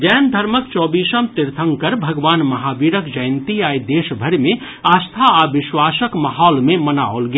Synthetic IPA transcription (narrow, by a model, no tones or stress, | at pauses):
d͡ʒɛːnd̪ʱəɾməkt͡ʃɔːbiːsəmt̪iɾt̪ʰəŋkəɾbʱɐɡʋaːnmɐɦabiɾəkd͡ʒəjnt̪iajd̪eːʃbʱəɾimẽ | aːst̪ʰaabɪswaːsəkmaɦɔːlmemənaolɡe